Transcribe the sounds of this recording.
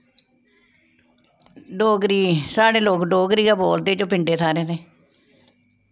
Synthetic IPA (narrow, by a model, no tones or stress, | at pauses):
ɖoːɡɾiːsaːɽeːloːkɖoːɡɾiːkaːboːld̪eːt͡ʃõːpɪɳɖeːt̪ʰaːɾeːneː